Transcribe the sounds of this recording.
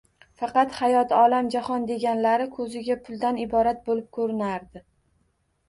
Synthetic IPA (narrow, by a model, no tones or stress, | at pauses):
fɑqɑt̪hajɒt̪ɒlamd͡ʒahɒnd̪e̞ɡʲanlaɾɪkʰɵzɪɡʲapʰʊlˠd̪anɪbɒɾat̪̚bolɪp̚kʰɵɾɪnaɾd̪ɪ